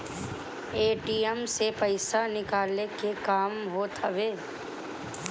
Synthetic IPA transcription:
eːʈiːɛmsepəɪsanɪkaːlekekaːmɦoːt̪ʰəʋeː

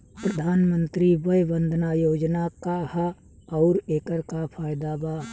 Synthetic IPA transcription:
pɾəd̪ʱaːnmə̃nt̪ɾibəjbə̃nd̪ʱnajoːd͡ʒnakah | ɔʊɾeːkəɾkapʰaːɪd̪abaː

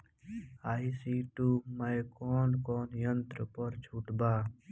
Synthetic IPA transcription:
aːisiːʈuːməjkɔːnkɔːnjənt̪ɾəpəɾt͡ʃʰuːʈbaː

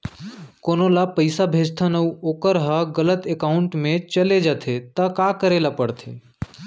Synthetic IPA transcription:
koːnolapəɪsabʱeːd͡ʒt̪ʰanəuoːkəɾɦaɡələt̪ekaʊɳʈmẽt͡ʃəled͡ʒat̪ʰet̪əkakəɾelapəɽt̪ʰḛː

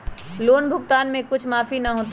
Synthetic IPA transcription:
loːnbʱʊɡt̪aːnmẽkʊt͡ʃʰmaːfinɐɦoːt̪

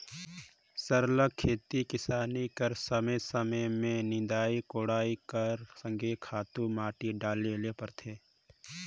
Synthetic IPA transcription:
səɾləkʰːeːt̪ikɪsaːnikəɾsəməjsəməjmẽnɪ̃d̪aːikoːɽaːikəɾsə̃ŋɡʱekʰaːt̪ũmaːʈiɖaːlelepəɾt̪ʰeː

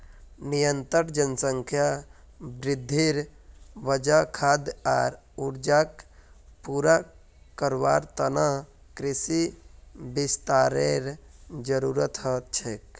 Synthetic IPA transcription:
nijənt̪əɾd͡ʒənsəŋkʰja | bɾɪd̪ʱːiɾʋəd͡ʒakʰaːd̪a̰ːɾ | uɾd͡ʒak | puːɾa | kəɾʋaːɾt̪əna | kɾɪsi | bist̪aːɾeɾd͡ʒəɾuɾət̪ət͡ʃʰek

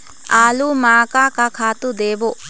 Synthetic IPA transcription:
aːlumaːkakakʰaːt̪ud̪eːʋo

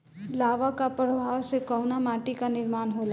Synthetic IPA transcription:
laːʋakapɾəʋʱaːwsekɔʊnamaːʈikanɪɾmaːnɦoːla

